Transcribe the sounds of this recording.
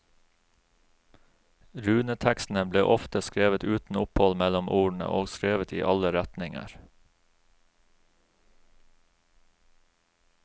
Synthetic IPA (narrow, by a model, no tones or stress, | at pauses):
ɾʉːnət̪ʰækst̪n̩əbleːʔɔft̪əskɾeːʋət̪ʉːt̪n̩ʊphɔlmɛlɔmʔuːɳ̩ə̰ʔoːɡskɾeːʋət̪ʰḭːʔɑləɾæt̪nɪŋə̰ɾ